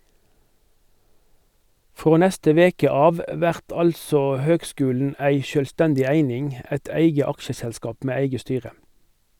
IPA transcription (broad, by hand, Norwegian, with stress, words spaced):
ˈfʁoː ˈnɛstə ˈʋeːkə ˈɑːʋ ə ˈʋæʁt ˈɑlsoː ˈhøːɡˌskʉːln̩ ˈæɪ ʃøːlˈstɛndɪ ˈæɪnɪŋ ˈæt ˈæɪɡə ˈɑkʃəsɛlˌskɑːp ˈmeː ˈæɪɡə ˈstyːʁə